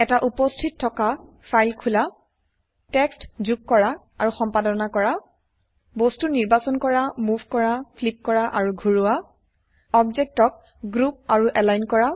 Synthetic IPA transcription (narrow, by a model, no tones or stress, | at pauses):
ɛtaʔupɔstʰitʰːɔka | fʰajlkʰula | tɛkstzuk̚kːɔɹa | aɹuxɔmpadɔnakɔɹa | bɔstuniɹbasɔnkɔɹamuvʱkɔɹafʰlip̚kɔɹaʔaɹuɡʱuɹuwa | ɔbzɛk̚tɔk̚ | ɡɹup̚aɹuʔɛlajnkɔɹa